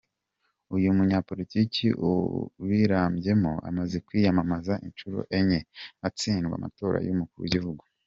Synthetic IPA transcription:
ujumuɲaːpo̞liticiʔṵβiɾaːmbɟe̞moa̰maze̞kwiːjamamazaʔint͡ʃuɾo̰ʔe̞ɲeat͡siːnɡwa̰ma̰to̞ːɾa̰jumukuɾuɟivuɡu

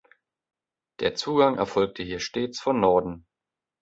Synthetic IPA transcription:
d̥eːɐt͡suːɡaŋʔɛ̰ɐfɔlk̚tʰəɦiːɐʃteːt͡sfɔnːɔɐdn̩

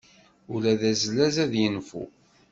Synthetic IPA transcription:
ʊlæðæzlæzæðjənfṵ

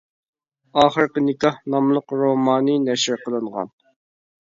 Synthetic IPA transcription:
ɑːχəɾqənɪkɑhnɑmlˠəqɾomɑːnɨnɛʃɪɾqəlˠɨɴʁɑ̰n

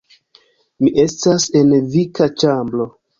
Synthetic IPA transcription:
miʔe̞stase̞nvikat͡ʃamblo̞

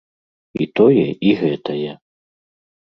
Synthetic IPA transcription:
it̪ɔjɛʔiɣɛt̪ɐjɛ

